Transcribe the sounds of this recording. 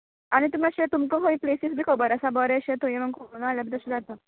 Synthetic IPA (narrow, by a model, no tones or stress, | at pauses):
añit̪umiəɕet̪umkoɦoiplesisbʱiːkʰəbəɾəsabəɾeəɕet̪ojeməɡkʰoonaːljabit̪əɕidat̪ə